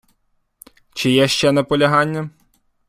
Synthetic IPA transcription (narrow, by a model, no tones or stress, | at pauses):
t͡ʃɪjɛʃt͡ʃɛnɐpɔlʲɐɦɑnʲːɐ